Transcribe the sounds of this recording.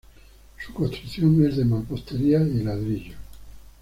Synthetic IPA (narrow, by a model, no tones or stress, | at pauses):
su̥kost̪ɾuθjoŋezðemalpost̪eɾiailaðɾiʎo